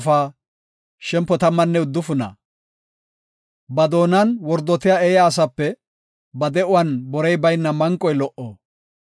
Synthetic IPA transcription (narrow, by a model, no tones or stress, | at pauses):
faː | ʃɛmpːɔt̪ɐmːɐnːɛʊd̪ːʊfʊnɐ̰ | bɐd̪o̞ːnɐnwɔɾd̪ɔt̪ɪjaːɛjaːs̬ɐpːɛ | bɐd̪ɛʔʊwɐnbɔɾɛjbɐjnːɐmɐŋkʼːɔjlɔʔo̰ː